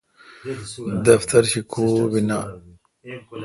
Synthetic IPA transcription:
d̪ɐft̪ʰɐɾɕikʰoːbina

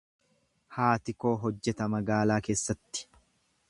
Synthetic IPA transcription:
haːt̪ɪko̞ːɦɔd͡ʒːɛt̪ɐmɐɡaːlaːke̞ːsːɐt̪ːɪ̥

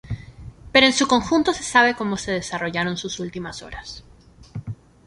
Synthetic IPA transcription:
pe̞ɾoensuko̞ŋxunt̪o̞se̞̥saβe̞ko̞mo̞se̞ð̞e̞saro̞ʝaɾo̞nsusult̪imaso̞̰ɾas

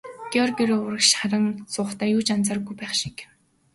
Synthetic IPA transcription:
ɡ̥ʲiɔrɡʲiɾoːʊɾə̆kʃχaɾə̆ŋsʊːχt̪æːjuːt͡ɕant͡saːɾ̆ɣujpæːχʃi̥k

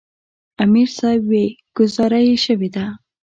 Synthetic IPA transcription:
amiɾsɑjbweɡ̥ʊzɑɾajeʃəwed̪a

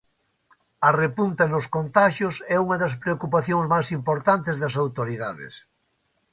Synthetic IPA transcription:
ɐrepunt̪ɐnʊskont̪aʃʊsɛuŋɐðɐspɾeokupaθjoŋzmajsimpoɾt̪ant̪ɪzðɐs̬awt̪oɾiðaðɪ̰s

